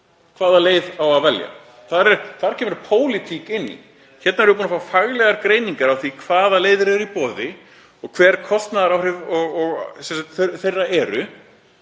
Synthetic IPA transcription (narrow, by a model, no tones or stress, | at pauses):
kʰv̥aːðaleːjðawaðvɛlja̰ | θaðɾɛɾθaðɾcʰɛːmɾpʰoːwlɪt̪ʰikɪnːḭ | çɛt̪naɛɾvʏpuːnafaːfaɣlɛɣaɾkɾeːjniŋkaɾawθikʰv̥aːðaleːjðʏɾɛɾipɔːðɪ | ɔɣkʰv̥ɛːɾ̥kʰɔst̪naðaɾawɾɪvɔɣɔɣsɛnsak̚t̪θθejrːaʔɛɾʏ